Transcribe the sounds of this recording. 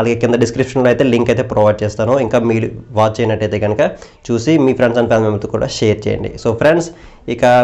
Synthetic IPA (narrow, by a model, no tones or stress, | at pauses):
ɐlaːɡeːkind̪ɐɖiskɾipʂɐnloːɐjt̪eːliŋkɐjt̪e̞ːpɾɔːʋaːjɖ̚t͡ʃɛːst̪aːnoiŋkaːmiːluʋaːt͡ʃːɛːjinɐʈːɐjt̪e̞ːɡɐnɐkɐ | t͡ʃuːsimiːpʰɾeɳsɐnpaːd̪ɐmemɐt̪uːkuːɽa̰ːʃeːjɐɾt͡ʃɛ̰ːjɐ̰ɳɖḭsoːpʰɾeɳɖs | ikɐ